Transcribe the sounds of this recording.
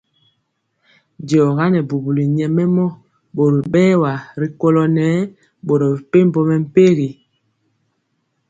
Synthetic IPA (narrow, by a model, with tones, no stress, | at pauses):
dɔː˨ɣa˦nɛ˨bu˨bu˨li˨ɲɛ˨mɛ˦mɔ˦ | bo˨ɾi˨ɓɛː˦wa˨ɾi˨ko˦lɔ˦nɛː˨˦ | ɓo˨ɾɔ˨bi˨pe˦m̩˨bɔ˦mɛ˨m̩˦pe˦ɣi˨